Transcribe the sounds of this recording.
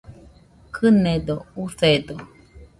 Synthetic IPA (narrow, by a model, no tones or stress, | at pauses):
kʰɨned̪ouθed̪o